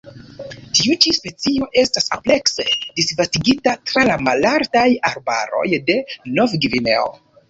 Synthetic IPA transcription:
tiut͡ʃispe̞t͡sio̞ʔe̞stasaple̞kse̞disvastiɡitatɾalamalaɾdajaɾba̰ɾo̞̰jde̞no̞vɡivine̞o̰

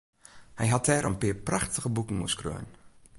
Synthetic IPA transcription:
hɛjɦatʰɛːɾʔə̰npɪːəɹpraxtəɣəbukn̩muəskrø̰ːn

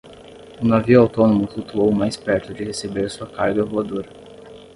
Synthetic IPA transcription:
ʊnaviʊawt̪õnõmʊflut̪uowmajspɛɾt̪ʊd͡ʒɪhesebeɾsuɐkaɾɡɐvoad̪oɾɐ

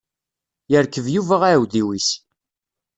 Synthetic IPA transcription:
jəɾkːəvjuvəʁaʕwðiwis

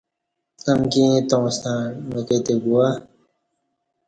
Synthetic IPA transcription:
t̪ɐmkĩt̪õːst̪ãːmeket̪eɡua

